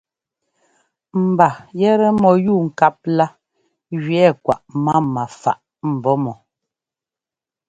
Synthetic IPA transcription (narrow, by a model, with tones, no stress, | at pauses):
m̩˨ba˨jɛ˦ɾɛ˦mɔ˨juː˦˨ŋ̩˨ka˦p̚la˦ | ɣɥɛ˦˨kwa̰˨ʔma˦ma˨fa̰˨ʔ | m̩˨bɔ˦mɔ˨